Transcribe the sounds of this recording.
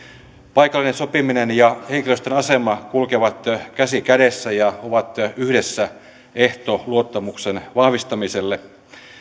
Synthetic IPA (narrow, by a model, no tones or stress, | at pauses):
pɑjkɑlːinensopiminenjɑheŋkiløst̪enɑsemɑkulkeʋɑt̪kæsikædesːæjɑoʋɑt̪yhdesːæ | eht̪oluot̪ːɑmuksenʋɑhʋist̪ɑmiselːe